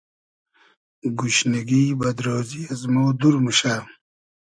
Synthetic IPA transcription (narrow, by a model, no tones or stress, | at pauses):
ɡuɕneɡiːbɐd̪ɾoːziɐzmowd̪uɾmuɕaː